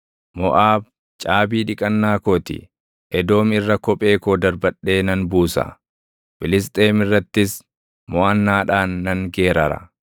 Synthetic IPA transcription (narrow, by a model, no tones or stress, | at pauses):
mɔʔaːb̚ | t͡ʃʼaːbiːᶑɪkʼɐnːaːkoːt̪ɪ̰ | ʔɛd̪o̞ːmɪrːɐkɔpʼe̞ːkoːd̪ɐɾbɐᶑːe̞ːnɐnbuːsɐ̰ | fɪlɪs̬t̪ʼe̞ːmɪrːɐt̪ːɪs | mɔʔɐnːaːᶑaːnːɐŋɡeːɾɐɾɐ̰